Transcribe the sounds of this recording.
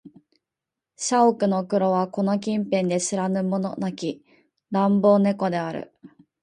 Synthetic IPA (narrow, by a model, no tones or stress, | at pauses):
ɕaokɯ̟no̞kɯ̟ɾo̞βako̞no̞k̬ʲĩmpẽ̞nd̪e̞ɕiɾanɯ̟mo̞no̞nakʲi | ɾãmbo̞ːne̞ko̞d̪e̞aɾɯ̰